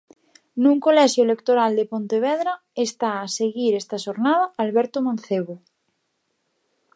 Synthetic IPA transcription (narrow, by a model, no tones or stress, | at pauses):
nũŋkolɛʃjoelekt̪oɾald̪epont̪eβ̞ɛðɾa | est̪aːseɣiɾest̪aʃoɾnaðaalβɛɾt̪omãnθeβ̞o